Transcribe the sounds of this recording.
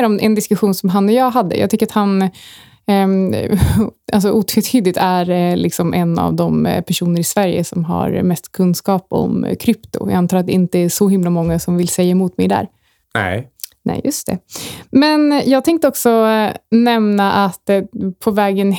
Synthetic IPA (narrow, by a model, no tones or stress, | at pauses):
ɾɔmʔɛ̰nd̪ɪskɵɧuːnsɔmɦanːɔjɑːɡɦad̪ːə̰jɑ̰ːt̪ʏkːəɾat̪han | ʔals̬ɔʔuːt̪ʰɾɛt̪ʰyːd̪ɪɡ̚t̪æɾlʔɪksɔmʔɛnːa̰vd̪ɔmpʰæʂuːnəɾɪsvæɾjə̰sɔmɦa̰ɾmɛst̪kʰɵnskɑːpɔ̰mkʰɾʏpt̪ʊ̰j̰ant̪ʰɑːɾat̪d̪ɛɪnt̪əæʂɔɦɪmlamɔŋːasɔmvɪlsɛjːaɛmʊːt̪mɛjd̪æ̰ːɾ | ɛ̰nɛ̰jɵst̪ʰɛ̰mɛnjɑːɡ̚t̪ʰɛŋkt̪əɔksɔnɛmnaʔat̪ːpʰɔvɛːɡən